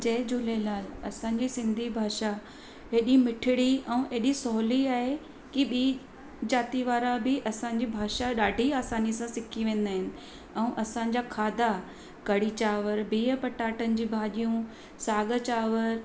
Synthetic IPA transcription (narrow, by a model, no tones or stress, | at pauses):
d͡ʑɐːd͡ʑʊlelaːlɐ̰sãɲ̆d͡ʑisɪ̃nd̪ʱibʱaːʃa | ɦeːɗimɪʈʰɪɽiɛ̃ũʔeːɗisɔɦliaːɦe | kiɓiː | d͡ʑaːt̪iʋaːɾabɪʔɐsãɲ̆d͡ʑibʱaːʃaɗaːɖʱiaːsaːnisãsɪkʰiʋẽːn̆d̪aːɦɪnɪ̆ | ɛ̃ũʔɐsãɲ̆d͡ʑakʰaːd̪ʱa | kɐɽit͡ɕaːʋəɾbiːəpɐʈaːʈənɪ̆d͡ʑĩːbʱaːɗijũ | saːɡət͡ɕaːʋəɾ